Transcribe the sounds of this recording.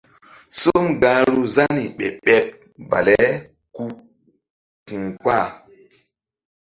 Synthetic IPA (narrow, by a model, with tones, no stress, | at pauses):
so˦mɡa˨ɾu˦za˦ni˨ɓɛ̰˨ɓɛ˨p̚ | ba̰˨lɛ˦ | ku˦ | kũ˨kwa˦˨